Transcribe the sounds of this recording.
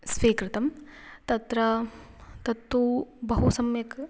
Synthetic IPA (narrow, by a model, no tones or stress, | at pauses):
sʋeːkɾɪt̪ɐmt̪ɐt̪ɾɐ | t̪ɐt̪ːubɐɦusɐmjɐk